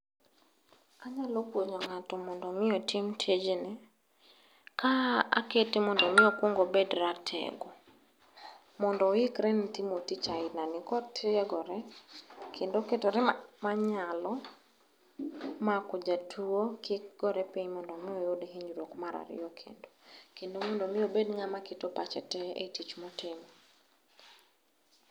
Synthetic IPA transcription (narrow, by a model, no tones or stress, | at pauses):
aɲalokwoɲɔŋatɔmɔndɔmɪɔtʰimtʰed͡ʒinɛ | kaaketɪmɔndɔmɪɔkwoŋɡobedɾatʰɛ̰ɡɔ | mɔndɔikɾɛnitimotit͡ʃaɪnanɪkɔtʰɪɛɡɔɾɛ | kʰendoketɔɾɛmaɲalɔ | makɔd͡ʒatʰuokɪk̚ɡ̥ɔɾɛpiɲmɔndɔmɪojodeɦiɲd͡ʒɾokmaɾa̰ɾɪ̰jɔkʰḛndokendomɔndɔmɪobedŋamaketopat͡ʃɛ̰tɛḛtit͡ʃmɔtɪmɔ